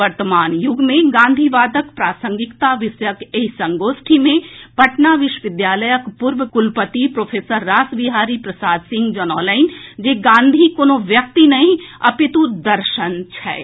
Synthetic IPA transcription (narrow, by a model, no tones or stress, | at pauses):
əɾt̪əmaːnjʊɡmẽɡãːnd̪ʱiʋaːd̪əkpɾaːsə̃ŋɡɪkt̪aʋɪsjəkeɦsə̃ŋɡoːsʈʰimẽpɐʈnaʋɪʃwʋɪd̪jaːləjəkpuɾʋəkʊlpət̪ipɾoːpʰeːsəɾːaːsʋiɦaːɾipɾəsaːd̪sɪ̃ŋɡd͡ʒənɔːləɪnd͡ʒeːɡãːnd̪ʱikoːnoʋjək̚t̪inɐɦĩɐpɪt̪ud̪ɐɾʃənt͡ʃʰɛ̰ː